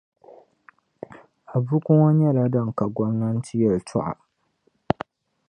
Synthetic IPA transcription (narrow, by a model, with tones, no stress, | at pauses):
a˨bu˦kʊ˦ŋa˦ɲɛ˦la˦da˦ŋ˨ka˨ɡɔ˦mna˦n̩˦tɪ˦jɛ˨ltʰʊ˦ʔa̰˨